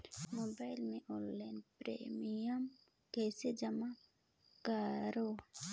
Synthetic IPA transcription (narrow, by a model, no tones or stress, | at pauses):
moːbaːɪlmẽʔonlːaɪnpɾḛmijəm | kɛːsed͡ʒəma | kəɾo